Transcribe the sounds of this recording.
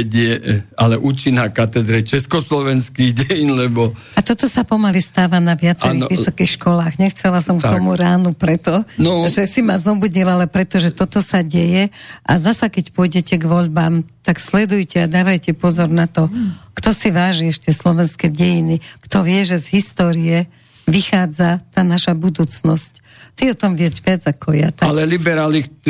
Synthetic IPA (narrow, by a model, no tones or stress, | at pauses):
ɟɪjɛalɛʔuːt͡ʃinakat̪ɛd̪ɾɛt͡ʃɛskɔslɔʋɛnskiɣɟɛjinlɛbɔ | at̪ɔt̪ɔsapɔmalist̪aːʋanaʋɪat͡sɛɾiɣʋisɔkixʃkɔlaːɣɲɛxt͡sɛlasɔmktɔmuɾaːnupɾɛt̪ɔnɔʒɛsimazɔbuɟilalɛpɾɛt̪ɔʒɛt̪ɔt̪ɔsaɟɛjɛʔa̰zasakɛcpʊɔjɟɛcɛɡʋɔʎbaːmt̪aɡslɛd̪ujcɛad̪aːʋajcɛpɔzɔɾnat̪ɔkt̪ɔsiʋaːʒiɛʃt̪ɪɛslɔʋɛnskɛɟɛjinikt̪ɔʋɪɛʒɛzɦist̪ɔːɾijɛ | ʋixaːd͡zat̪aːnaʃabud̪uːt͡snɔsc | t̪iɔt̪ɔmʋɪɛʒʋɪad͡zakɔja̰t̪alɛlibɛɾaːli